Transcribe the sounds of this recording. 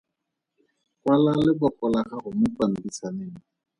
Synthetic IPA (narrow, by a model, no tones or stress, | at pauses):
kwalalɪbɔkʼɔlakahʊmʊpan̩bisanɪni